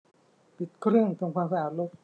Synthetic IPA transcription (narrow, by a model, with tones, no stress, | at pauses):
pi˨˩t̪̚kʰɾɯ˥˩əŋt̪ʰɯ˧ŋkʰwaː˧msaː˧ʔaː˨˩t̪̚lo˥˩t̪̚